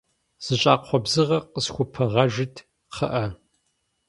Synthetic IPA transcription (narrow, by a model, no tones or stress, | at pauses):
z̥ɨɕʼaːqʰʷɔbzɨʁɐqəsxʷʊpʰɐʁɐʒɪtʰ | qʰɐʔɐ